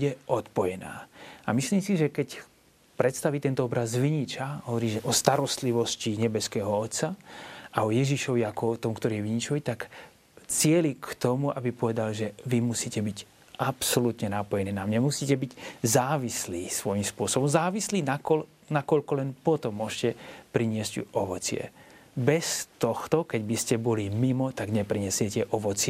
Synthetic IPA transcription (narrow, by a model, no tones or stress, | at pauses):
buɟɛɔt̪pɔjɛna̰ːamisliːmsiʒɛkɛc | pɾɛt̪st̪aʋiːt̪ɛnt̪ɔɔbɾazʋiɲit͡ʃaɦɔʋɔɾiːʒɛʔɔst̪aɾɔst̪liʋɔsciɲɛbɛskɛːɦɔɔt̪saʔaɔjɛʒiʃɔʋiakɔɔt̪ɔmkt̪ɔɾiːɛʋiɲit͡ʃɔʋit̪ak | t͡sɪɛlikt̪ɔmuabipɔʋɛd̪alʒɛʋimusiːcɛbiɟ | ʔapsɔlut̪ɲɛnapɔjɛniːnamɲamusiːcɛbiɟzaːʋisliːsʋɔjimspʊɔsɔbɔmzaːʋisliːnakɔl | nakɔʎkɔlɛnpɔt̪ɔmːʊɔʃcɛpɾiɲɪɛzcuʔɔʋɔt͡sɪɛ̰ | bɛst̪ɔxt̪ɔkɛɟbiscɛbɔlimimɔt̪aɡɲɛpɾiɲɛsɪɛcɛʔɔʋɔt͡sɪɛ